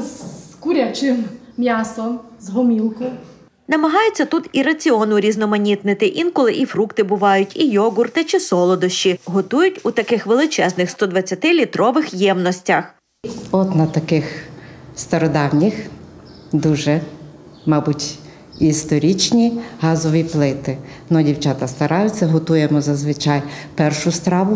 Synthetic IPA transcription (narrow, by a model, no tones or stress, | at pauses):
zkuɾʲat͡ʃɪmmʲjasɔmzɦɔmʲilˠkʊ | nɐmɐɦɑjet͡sʲːɐt̪ut̪iɾɐt͡sʲiɔnʊɾʲiznɔmɐnʲit̪nɪt̪ɪʔinkɔlˠɪʔifɾukt̪ɪbʊʋɑjʊtʲijɔɡʊrt̪ɪt͡ʃɪsɔlˠɔd̪ɔʃt͡ʃiɦɔt̪ujʊtʲut̪ɐkɪxʋelˠɪt͡ʃɛznɪxst̪ɔd̪ʋɐt͡sʲːɐt̪ɪlʲit̪ɾɔʋɪxjɛmnɔsʲtʲɐx | ɔt̪nɐt̪ɐkɪxst̪ɐɾɔd̪ɑwnʲix | d̪uʒɛ | mɑbutʲ | ist̪ɔɾʲit͡ʃnʲiɦɑzɔʋʲiplˠɪt̪ɪnɔdʲiwt͡ʃɑt̪ɐst̪ɐɾɑjʊt͡sʲːɐɦɔt̪ujemɔzɐzʋɪt͡ʃɑjpɛrʃʊst̪ɾɑʋʊ